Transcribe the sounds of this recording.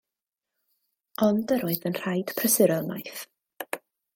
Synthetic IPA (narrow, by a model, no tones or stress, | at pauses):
ɔndəɾoːɨðənr̥ajd̥pʰrəsɪɾɔmajθ